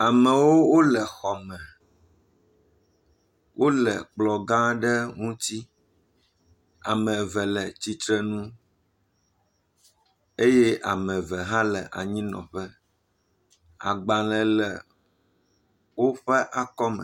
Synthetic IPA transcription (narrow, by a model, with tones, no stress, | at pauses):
a˨mɛ̃˨wo˦wo˦lɛ˨xɔ˨mɛ̃˨ | wʔo˦lɛ̰˨k͡plɔ˨ɡã˦ɖɛ˦ŋũ˦t̪i˦ | a̰˨mɛ̃˨vɛ˨lɛ˨t͡ɕi˦t̪ɾɛ˦nũ˦ | e˦je˦ʔa˨mɛ̃˨vɛ˨ɦã˦lɛ˨ʔa̰˨ɲĩ˦nɔ̰̃˨ɸɛ˦ | a̰˨ɡ͡bã˨lɛ˨lɛ˨ | wo˦ɸɛ˦ʔa˦kɔ˦mɛ̰˨